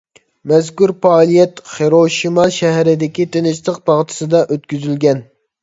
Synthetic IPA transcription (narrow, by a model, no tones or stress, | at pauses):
mɛzkʲuɾpɑːlˠijɛt̪χeɾoʃimɑʃɛɦɾɪd̪ɪkʲit̪ʰenɪst̪əq̚bɑʁt̪ʰɨ̥sɨd̪ɑʔøt̪kʲyzylɡʲɛn